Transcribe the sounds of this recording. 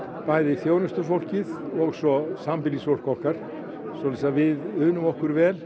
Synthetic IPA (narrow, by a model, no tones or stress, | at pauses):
pajðɪiθjoːwnʏst̪ʏfowl̥cɪðɔɣsɔsampɪlisfowl̥kɔl̥kaɾ̥ | sɔlasavɪðʏːnʏmɔhkʏɾvɛːl